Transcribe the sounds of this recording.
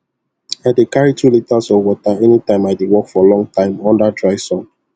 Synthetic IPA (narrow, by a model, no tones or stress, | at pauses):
adekaɹitulitasɔwɔtaɛnitãɪ̃maɪdewɔkfɔlɔ̃ŋtãɪ̃mɔ̃ndadɹaɪsɔ̃n